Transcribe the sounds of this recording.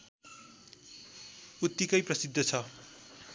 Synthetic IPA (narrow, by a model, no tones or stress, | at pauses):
ut̪ːikʌjprʌsid̪ʱːʌt͡sʰʌ